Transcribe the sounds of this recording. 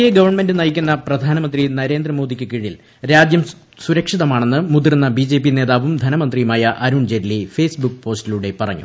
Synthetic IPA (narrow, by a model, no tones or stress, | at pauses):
jeɡɐʋɐrɳme̞ndɨnɐjikʲːunːɐprɐd̪ʱaːnɐmɐnd̪rinɐɾe̞ːnd̪rɐmo̞ːd̪ʱikʲːɨkiɻiil | ɾaːd͡ʑjɐm | suɾɐkʂiðɐmaːɳe̞nːɨmuðirnːɐbid͡ʑe̞ːpːine̞ːðaːʋumd̪ʱɐnɐmɐnd̪rijumaːjɐʔɐɾuːɳd͡ʑe̞ɾlːife̞ːsbukːpo̞ːstiluɽe̞pɐrɐ̰ɲːṵ